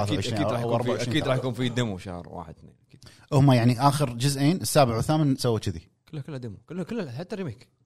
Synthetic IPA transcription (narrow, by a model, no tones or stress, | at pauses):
laːθʕʃːniːɾɑːjwɑɾˤbaaiiːd̪ɾˤɑːħjakuːnfid̪ɪmuʃa̰hɾˤwa̰ːħɪd̪θnḛːʔki̥ːʔʊhmajaʕniʔaːxəɾd͡ʒʊzʔeːnʔəsːaːbɪʕwθaːmɪnsawːat͡ʃɪði | kəlːhakəlːad̪ɪmukəlːkəlːaħat̪ːɑɾɪmeːk